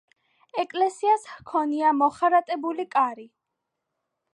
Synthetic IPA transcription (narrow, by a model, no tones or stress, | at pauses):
ɛkʼlɛsiashkʰɔniamɔχaɾat̪ʼɛbulikʼaɾi